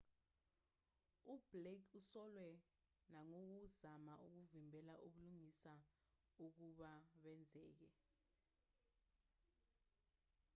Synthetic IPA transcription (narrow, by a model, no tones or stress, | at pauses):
ub̥lekusɔlwɛ | naŋok̬uzamaʔuk̬uvimbʱɛlaʔuɓuluŋisa | uk̬uɓaɓɛnd͡zʱɛːk̬ɛ